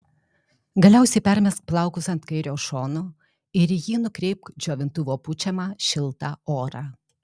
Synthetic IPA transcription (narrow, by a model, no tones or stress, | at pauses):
ɡɐlʲæˑʊsʲɛɪpʲɛɾʲmʲɛsk̚plˠɑˑʊkʊsɐnt̪kɐɪɾʲoːʃoːnoː | ɪɾjiːnʊkɾʲɛɪp̚kd͡ʒʲoːʋʲɪnt̪ʊʋoːpʊt͡ʃʲɛmɑːʃʲɪlˠˑt̪ɑːoːɾɑ